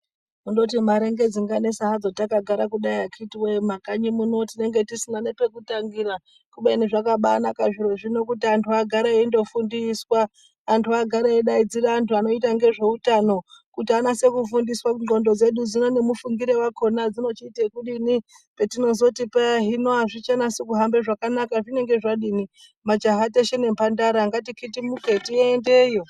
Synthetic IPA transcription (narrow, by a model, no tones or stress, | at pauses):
mundo̞t̬imaɾe̞ŋɡe̞d͡ziŋɡane̞saɦad͡zotakaɡʱaɾakuɗaiakitiwemakaɲimuno̞tine̞ŋɡe̞tisinane̞pe̞kutaŋɡiɾa | kuɓeniʐakaɓanakaʐiɾo̞ʐino̞kutiantuaɡʱaɾaendo̞fundiswaː | ntʰuaɡʱaɾaeɗaid͡ziɾaːntʰuano̞itaŋɡe̞ʐe̞utano̞kutianase̞kufundiswaɡo̞ndo̞d͡ze̞ɗud͡zino̞ne̞mufuŋɡiɾe̞wakʰo̞nad͡zino̞t͡ʃiːtekuɗini | pe̞tino̞zo̞tipaɦinoaʐit͡ʃanasek̬uɦambeʐakanakaʐine̞ŋɡe̞ʐaɗini | mad͡ʒaɦateʃene̞mpandaɾaŋɡat̬ikʰitimuketiendejo